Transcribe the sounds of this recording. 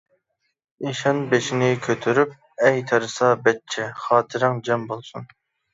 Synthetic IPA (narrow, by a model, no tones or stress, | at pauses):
iʃɑnbeʃinɪkʲʰøt̪ʰyɾyp̚ | ɛjt̪ʰɑɾɨsɑbɛtt͡ʃʰɛχɑːt̪ʰɨɾɨŋd͡ʒɛmbolˠsun